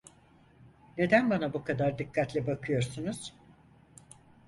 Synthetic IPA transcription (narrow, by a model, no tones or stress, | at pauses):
ne̞d̪ænbanabukʰad̪aɾd̪ikʰːat̪lʲɛbakʰɯjo̞ɾsunuz̥